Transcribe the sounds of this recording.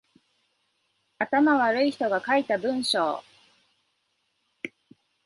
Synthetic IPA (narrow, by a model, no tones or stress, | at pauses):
at̪amaβaɾɯ̟içi̥t̪o̞ɡakait̪abɯ̟̃ɰ̃ɕo̰ː